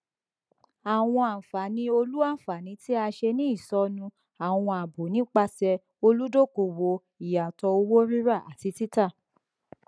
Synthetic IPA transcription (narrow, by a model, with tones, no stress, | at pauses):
a˨w̃ɔ̃˧a˨fa˨˦nĩ˧˦o˧lu˦a˦˨fa˨nĩ˨˧˦ti˦a˧ʃe˧nĩ˦i˦˨sɔ˨˦nũ˧ | a˨w̃ɔ̃˧a˨bo˨˦nĩ˦k͡pa˧sɛ˧ | o˧lu˦do˦˨ko˨wo˧ | i˨ja˨tɔ˧o˧wo˦ɾĩ˦ɾa˦˨ʔa̰˨ti˨˧ti˦ta˦˨